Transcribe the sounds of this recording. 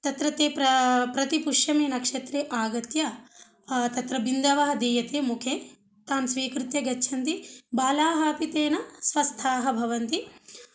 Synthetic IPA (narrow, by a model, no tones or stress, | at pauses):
t̪ɐt̪ɾɐt̪eːpɾɐpɾɐt̪ipuʂjɐmeːnɐkʂet̪ɾeːʔaːɡɐt̪jɐ | t̪ɐt̪ɾɐbind̪ɐʋɐɦɐd̪eːjɐt̪eːmukʰeː | t̪aːmsʋiːkɾut̪jɐɡɐtːʃʰɐnt̪ibaːlaːɦaːpit̪eːnɐsʋɐst̪ʰaːɦɐbʱɐʋɐnt̪i